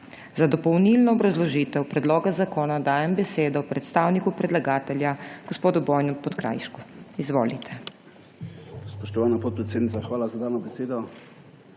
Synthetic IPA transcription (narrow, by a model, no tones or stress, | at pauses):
zad̪ɔpɔwnilnɔːbɾazlɔʒiːt̪ɛwpɾɛd̪loːɡazakoːnad̪aːjɛmbɛseːd̪ɔwpɾɛt̪st̪aːwnikupɾɛd̪laɡaːt̪ɛljaɡ̥ɔspoːd̪ubɔːjnupɔt̪kɾa̰ːjʃkuizʋoːlit̪ʰɛ | spɔʃt̪ɔʋaːnapoːt̪̚pɾɛt̪sed̪nit̪saxʋaːlazad̪aːnɔbɛseːd̪ɔ